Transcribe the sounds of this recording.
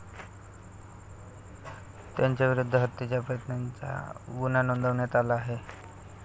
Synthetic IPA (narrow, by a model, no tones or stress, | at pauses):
t̪jaɲt͡ɕjaʋiɾud̪ʱːəɦət̪ːit͡ɕjapəjət̪nant͡sa̰ɡunanond̪ʱəʋɳjat̪alaːɦe